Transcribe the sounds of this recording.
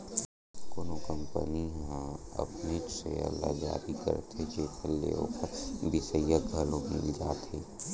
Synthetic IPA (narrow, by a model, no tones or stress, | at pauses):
koːnokəmpə̰niɦɐ̰pnesḛɐ̰lːa̰d͡ʒa̰ːd̪ikə̰ɾt̪ʰet͡ʃeːkʰəlːḛõkəɾb̪isəjjaɡʱəlõmɪ̰ld͡ʒaːt̪eː